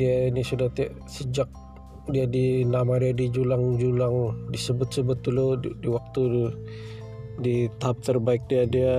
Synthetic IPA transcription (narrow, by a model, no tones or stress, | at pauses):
diainisudaht̪iaʔ | səd͡ʒak̚ | diadinamadiadid͡ʒulaŋd͡ʒulaŋdisəbʊt̪̚səbʊt̪̚dulodiwak̚t̪u | dit̪aɦap̚t̪ərbaɪk̚diadia